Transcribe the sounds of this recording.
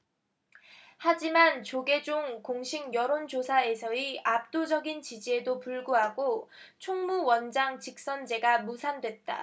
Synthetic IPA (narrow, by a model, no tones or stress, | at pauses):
had͡ʑimant͡ɕoɡe̞d͡ʑuŋkoŋɕʰiŋjʌɾond͡ʑosʰae̞sʰʌiap̚t͈od͡ʑʌɡint͡ɕid͡ʑie̞dopuɭɡuɦaɡot͡ɕʰoŋmuwʌnd͡ʑaŋt͡ɕik̚s͈ʌnd͡ʑe̞ɡamusʰandwet̚t͈a̰